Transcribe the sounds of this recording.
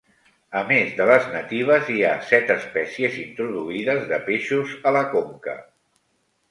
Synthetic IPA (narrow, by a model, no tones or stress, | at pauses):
əmezðələznət̪iβ̞əziasɛt̪əspɛsiəzint̪ɾuðuiðəzðəpeʃuzələkoŋkə̰